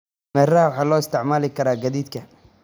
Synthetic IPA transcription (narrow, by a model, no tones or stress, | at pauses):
mɛːrɐhɐwɑħɑːlɔːɪst̪ʰɪʕmaːlɪkʰɐɾaːɡɐðiːd̪kʰɐ